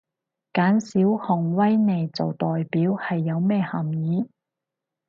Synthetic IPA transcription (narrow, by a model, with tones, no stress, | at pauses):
kaː˨˥nsiː˨˥whʊ˨˩ŋwɐ˥jne˨jt͡so˨wt̪ɔː˨jpiː˨˥whɐ˨jːɐ˨˧wmɛː˥hɐ˨˩mjiː˨˥